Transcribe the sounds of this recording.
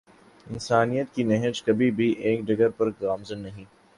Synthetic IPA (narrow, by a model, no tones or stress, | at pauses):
ɪnsaːnijət̪kinɛɦəd͡ʒkɐbʱibʱiʔeːkɖɐɡəɾpɐɾɡaːmzənːɐɦĩː